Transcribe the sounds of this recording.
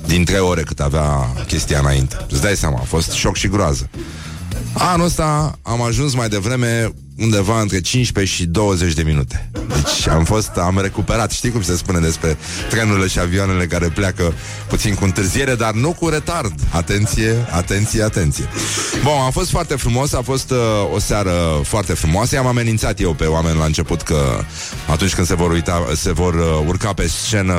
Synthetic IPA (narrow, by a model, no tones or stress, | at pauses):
d̪int̪ɾe̞jo̞ɾe̞kɨnaveakʲe̞st̪ia̰ɨna̰ḭnt̪e̞̥sd̪ajseama̰ːfo̞st̪ʃo̞kʃiɡɾoazə | anuəst̪aamaʒuns̬majd̪e̞vɾe̞me̞ | und̪e̞vaɨnt̪ɾe̞t͡ʃint͡ʃpeʃid̪o̞wəze̞t͡ʃʲd̪e̞minut̪e̥d̪et͡ʃʲa̰mfo̞st̪amre̞kupe̞ɾat̪ʃt̪ijwkumisespune̞d̪e̞spɾe̞ | t̪ɾe̞nuɾile̞ʃiavioane̞le̞kaɾe̞pleakə | put̪sinkuɨnt̪ɨrzie̞ɾe̞d̪arnukuɾe̞t̪ard̪at̪e̞nt̪sije̞at̪e̞nt̪sijeat̪e̞nt̪sije̞buamfo̞st̪foart̪e̞fɾumo̞səafo̞st̪o̞saɾəfoart̪e̞fɾumoasəamame̞nint̪sat̪je̞wpe̞oame̞nlaɨnt͡ʃe̞put̪kə̰ | a̰t̪unt͡ʃʲkɨnd̪̥se̞vo̞ɾujt̪ase̞vo̞rurkape̞st͡ʃe̞nə